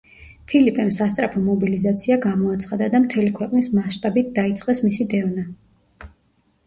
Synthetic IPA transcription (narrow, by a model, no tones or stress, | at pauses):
pʰilipʼɛmsast̪sʼɾapʰɔmɔbilizat̪sʰiaɡamɔat̪sʰχad̪ad̪amt̪ʰɛlikʰwɛqʼnismasʃt̪ʼabit̪̚d̪ait̪sʼqʼɛsmisid̪ɛvna